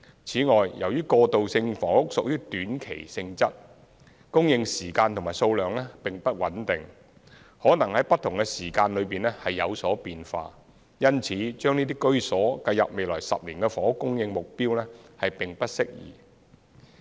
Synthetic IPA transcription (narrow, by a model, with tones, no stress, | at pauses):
t͡sʰiː˨˥ŋɔː˨jjɐ˨˩wjyː˥kɔː˧t̪o˨wsɪ˧ŋfɔː˨˥ʊ˥k̚sʊ˨k̚jyː˥t̪yː˨˥nkʰe˨˩jsɪ˧ŋt͡sɐ˥t̚ | kʊ˥ŋjɪ˧ŋsiː˨˩kaː˧nt̪ʰʊ˨˩ŋmaː˨jso˧wlœː˨ŋlɛː˥pɪ˨ŋpɐ˥t̚wɐ˨˥nt̪ɪ˨˩ŋ | hɔː˨˥nɐ˨˩ŋhɐ˨˥jpɐ˥t̪ʰʊ˨˩ŋkɛ˧siː˨˩kaː˧nlɵ˨˧ɥpiː˨nɛː˥hɐ˨jːɐ˨˧wsɔː˨˥piː˨nfa̰ː˧ | jɐ˥nt͡sʰiː˨˥t͡ʃœː˥ŋniː˥t̪iː˥kɵ˥ɥsɔː˨˥kɐ˧jɐ˨p̚me˨jlɔː˨˩jsɐ̰˨p̚liː˨˩nkɛ˧fɔː˨˥kʊ˥ŋjɪ˧ŋmʊ˨k̚piː˥wlɛː˥hɐ˨jpɪ˨ŋpɐ˥t̚sɪ˥k̚jḭː˨˩